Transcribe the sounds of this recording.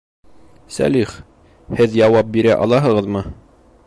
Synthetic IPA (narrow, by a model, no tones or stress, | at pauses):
sæ̰liχ | hɘðjɑwɑp̚biɾæʔɑ̰lˠɑɦɤ̆ʁɤðmɤ